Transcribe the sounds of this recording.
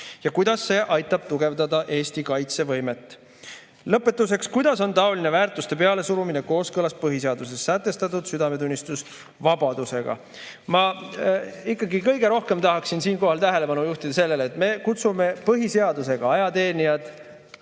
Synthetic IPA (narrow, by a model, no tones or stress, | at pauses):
jɑkujd̪̥ɑsːe̞ːʔɑjt̪ːˑɑb̥̚t̪uɡ̥e̞vd̪ɑd̪ɑʔe̞ːst̪ikɑjt̪se̞vɤ̞jme̞t̪ːˑ | lɤpːˑe̞t̪ːˑuse̞kskujd̪ɑso̞nt̪ɑo̞line̞væːrt̪ˑust̪e̞pe̞ɑle̞suɾumineko̞ːskɤlɑs̚pɤɦiseɑd̪̥use̞sːæt̪ːˑe̞st̪ɑt̪ːˑud̪̥syd̪ɑme̞t̪unʲːist̪us | vɑbɑd̪̥use̞ɡ̥ɑ̰ | mɑ | ikːˑɑɡikɤjɡe̞ɾo̞hke̞mt̪ɑɦɑksinsiːnko̞ɦɑlt̪æɦe̞le̞pɑnujuht̪id̪̥ɑse̞lːe̞let̪me̞kut̪sume̞pɤɦise̞ɑd̪use̞ɡ̥ɑɑjɑt̪e̞ːnʲiɑd̪̥